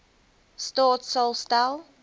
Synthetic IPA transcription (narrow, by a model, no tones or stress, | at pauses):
stɔːtsəlˠstaɪlˠ